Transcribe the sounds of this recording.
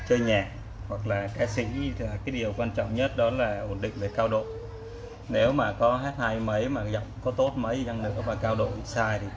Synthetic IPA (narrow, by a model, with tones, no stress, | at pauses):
t͡ɕəː˧jɲaː˨˩k̚ | hwa˨˩k̚laː˨˩kaː˨˦jsḭ˧˥aː˨˩kaː˨˦jɗi˨˩əwkwaː˧nt͡ɕɔ̰˧˨wŋ͡mɲə˦˥t̚ɗɔ˨˦laː˨˩ʔo˨˩ənɗḭ̈˧˨ŋ̟ve˨˩kaː˧wɗo̰˧˨ | ne˨˦wmaː˨˩kɔ˨˦ɦaː˦˥t̚ha˧jmə˨˦jmaː˨˩zə̰˧˨wŋ͡mkɔ˨˦t̪o˦˥t̚mə˨˦jza˧ŋnɨ̰˧˥əvaː˨˩kaː˧wɗo̰˧˨saː˧jt̪ʰi˨˩